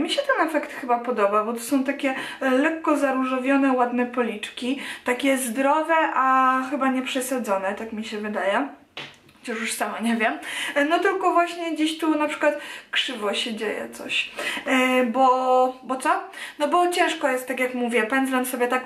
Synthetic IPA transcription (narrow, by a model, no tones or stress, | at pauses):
mʲiɕɛt̪ɛnɛfɛkt̪xɘbapɔd̪ɔbabɔt̪ɔ̥sɔ̃w̃t̪akʲɛlɛkːɔzaɾuʐɔvʲjɔnɛwad̪nɛpɔlʲit͡ʂkʲit̪akʲɛzd̪ɾɔvɛʔaxɘbaɲɛpʂɛsad̪zɔnɛt̪akmʲiɕɛvɘd̪ajɛ | xɔt͡ɕaʂjuʂsamaɲɛvʲjɛmnɔt̪ɘlkɔvwaɕɲɛɡd͡ʑeɕt̪unapʂɘ̥kwat̪kʂɘvɔɕɛd͡ʑejɛ̰t̪sɔ̰ɕ | bɔbɔt̪sɔnɔbɔt͡ɕɛ̃w̃ʂkɔjɛst̪ːak̬ʲjakmuvʲjɛpɛnd̪zamsɔbʲjɛt̪ak